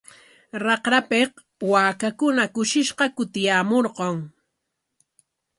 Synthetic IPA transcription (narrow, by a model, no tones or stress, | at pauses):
ɾɑqɾapeq | waːkakʊnakʊʃɪʃqɑkʊt̪ɪjaːmoɾɢoŋ